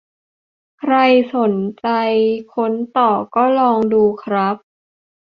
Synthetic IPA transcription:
kʰɾa˧jso˨˩˦nt͡ɕa˧jkʰo˦˥nt̪ɔː˨˩kɔː˥˩lɔː˧ŋduː˧kʰɾa˦˥p̚

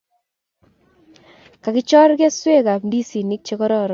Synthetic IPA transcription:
ka˨kɪ˦t͡ʃɔ˦ɾɡɛ˦swe˦ka˨pndi˦si˨ni˦k̚t͡ʃe˦kɔ˦ɾɔ˨ɾ

